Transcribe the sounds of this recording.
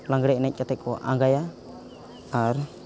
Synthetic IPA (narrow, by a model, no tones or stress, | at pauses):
laŋɡɽɛʔnɛc̚ˀkat̪ɛkɔ̰ʔaŋɡaja | aɾ